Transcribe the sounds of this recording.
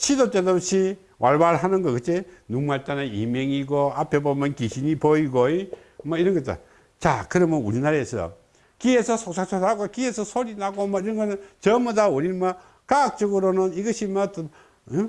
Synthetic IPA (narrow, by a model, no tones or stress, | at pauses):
t͡ɕʰidot͈edaɕʰi | wʔaɭbaɾɦanɯnɡʌkɯt͈enuŋmaɭt͈anaḭmeŋiɡoapʰebomjʌnkiɕʰinipoiɡoe | mʌiɾʌnɡʌt͈a̰ | t͡ɕakɯɾʌmɯnṵɾinaɾaesʌjo̰ | kiesʰʌsʰok̚sʰak̚sʰonaɡokiesʰʌsʰoɾinaɡomʌiɾʌnɡʌnɯnt͡ɕʌmɯdauɾinma | kak̚t͡ɕʌɡɯɾonɯniɡʌɕʰimʌt